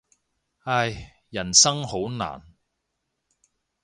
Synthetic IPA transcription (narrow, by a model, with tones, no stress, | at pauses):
a˧j | jɐ˨˩nsɐ˥ŋho˨˥wna̰ː˨˩n